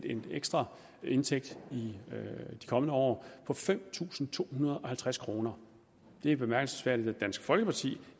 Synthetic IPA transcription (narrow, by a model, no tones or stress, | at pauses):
deneɡ̥sd̥ʁɐ | e̝nt͡sʰeɡ̥d̥i | d̥i̥kʰɒ̽mənəɒ̰ːpʰɒ̽fem̰t͡sʰṵːsn̩t͡sʰo̝̰ːhunɐð̞ˠɒ̽hælt͡sʰʁaskʰʁo̝ːnɐ | d̥e̝b̥e̝mæɐɡ̥l̩səsfæɐ̰d̥id̥æd̥æn̰sɡ̥fɒ̽lɡ̥əpʰɑ̈t͡sʰḭː